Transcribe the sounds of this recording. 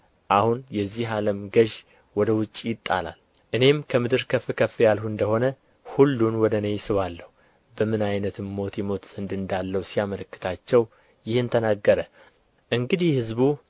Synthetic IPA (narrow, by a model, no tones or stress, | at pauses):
ʔahunjɛzːiɦaləmɡəʒ | wɔd̪əwʊt͡ʃʼːijɪt̪ʼːa̰la̰l | ʔɨne̞mkʰəmɨd̪ɨɾkʰəfɨkʰəfːijalhuɨnd̪əho̞nə | hulːunwɔd̪ənejsɨβalːəhu | bəmɨnajnət̪ʰɨmːo̞t̪jɛmo̞t̪z̥ənd̪ɨnd̪alːəwusijamələkːɨ̥t̪ʰat͡ʃːɛw | jɪhɨnt̪ʰənaɡːəɾə | ʔɨŋɡɨd̪ihhɨzbu